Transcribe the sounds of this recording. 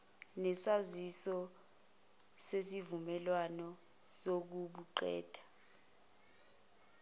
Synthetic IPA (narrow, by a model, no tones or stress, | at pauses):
nɛsazisɔ | sesivumɛlwanɔ | sok̬uɓuǃɛ̰ːd̥ʱḁ